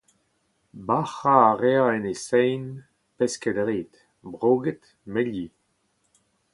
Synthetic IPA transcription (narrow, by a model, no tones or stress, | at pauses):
baχaːʁeaɛnesɛjn | pɛskɛd̪ʁeːt̪ | bʁoːɡɛt̪ | mɛlji